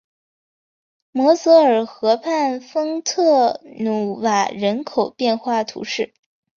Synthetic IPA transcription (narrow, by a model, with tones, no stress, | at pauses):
mɔ˧˥sɤ˧˥ə˞˨˩xɤ˧˥pʰa˥˩nfɤ˥ŋt̪ʰɤ˥˩nu˧˩wa˨˩ɻə˧˥nkʰo˨˩ʊpjɛ˥˧nxwa˥˩t̪ʰṵ˧˥ʂɻ̩˥˩